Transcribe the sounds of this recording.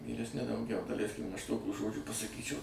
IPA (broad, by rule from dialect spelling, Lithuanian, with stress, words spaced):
ʋʲiːrʲɛsʲˈnʲɪ dɐʊˈɡʲɛʊ dɐˈlʲɛɪsʲkʲɪm ɐʃ ˈtoːkʲuː ˈʒoːd͡ʒʲuː pɐsɐˈkʲiːt͡ʃʲɛʊ